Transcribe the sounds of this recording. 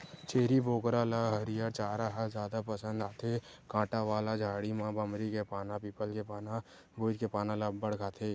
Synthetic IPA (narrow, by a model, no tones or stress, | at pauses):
t͡ʃeːɾiboːkɾalaɦəɾijat͡ʃaːɾaɦazjaːd̪apəsə̃nd̪aːt̪ʰekãːʈaʋaːlad͡ʒʱaːɽimãbəmɾikepaːnapiːpəlkepaːna | boːd͡ʒkepaːnãlabəɽɡʰʱaːt̪ʰeː